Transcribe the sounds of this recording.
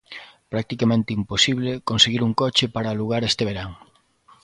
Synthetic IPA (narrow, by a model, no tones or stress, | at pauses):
pɾak̚t̪ikamẽnt̪eimposiβ̞lekonseɣiɾuŋkɔt͡ʃepaɾaːluɣaɾest̪eβeɾaŋ